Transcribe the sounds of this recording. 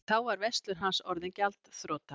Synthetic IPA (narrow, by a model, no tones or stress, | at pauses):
θawaɾvɛst̪lʏɾ̥ɦansɔɾðɪncalt̪θɾɔːt̪a